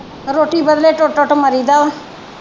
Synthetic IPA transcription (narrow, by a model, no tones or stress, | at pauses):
ɾoːʈiːbəd̪leːʈʊʈʊʈməɾiːd̪aː